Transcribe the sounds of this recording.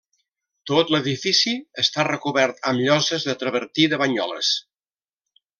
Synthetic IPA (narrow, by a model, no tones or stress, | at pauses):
t̪ot̪ləðifisiəst̪arəkuβɛɾt̪əmʎɔzəzðət̪ɾəβəɾt̪iðəβəɲɔ̰lə̰s